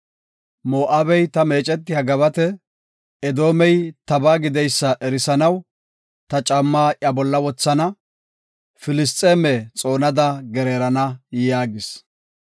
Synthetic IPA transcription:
mo̞ːʔaːbɛjt̪ɐmeːt͡ʃʼɛt̪ːɪhɐɡɐβɐt̪ɛ | ɛd̪o̞ːmɛjt̪ɐbaːɡɪd̪ɛjsːɐʔɛɾɪsɐnɐw | t̪ɐt͡ʃʼɐmːaːʔjɐbɔlːɐwɔt͡sːɐnɐ | fɪlɪst̪ʼeːmɛt͡sʼo̞ːnɐd̪ɐɡɛɾeːɾɐnɐjaːɡɪs

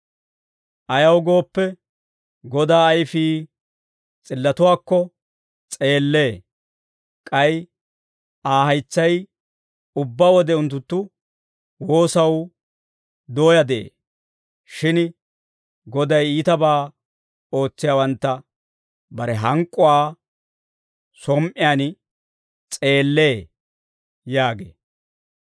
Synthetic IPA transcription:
ʔɐjɐwɡo̞ːpːɛ | ɡɔd̪aːɐjfiː | t͡sʼɪlːɐt̪ʊwaːkːɔ | t͡sʼe̞ːlːe̞ː | kʼɐj | aːɦɐjt͡sːɐj | ʊbːaːwɔd̪ɛʊnt̪ːʊt̪ːʊ | wo̞ːsɐw | d̪o̞ːjɐd̪ɛʔḛː | ʃɪn | ɡɔd̪ɐjiːt̪ɐbaː | o̞ːt͡sːɪjaːwɐnt̪ːɐ | bɐɾɛɦɐŋkʼːʊwaː | sɔmʔɪjaːn | t͡sʼe̞ːlːe̞ː | jaːɡḛː

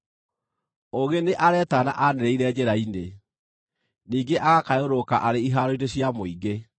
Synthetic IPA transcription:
oɣeneʔaɾɛtana̰ʔaneɾeiɾɛd͡ʑeɾaine | niːɡeʔaɣakaoɾokaʔaɾeiɦaɾoiɾeɕiamoiɡe

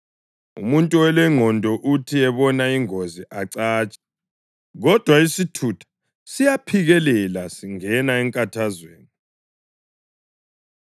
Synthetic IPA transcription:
ṵmuntʼuɛlɛŋʱɔndʱɔʔutʰiɛβɔnaiŋoziʔaǀaːt͡ʃʼḁ | ɣɔd̥ʱwaisitʰutʰḁ | sijapʰiɣɛlɛlasiŋɛnaɛŋkʼatʰazweːni

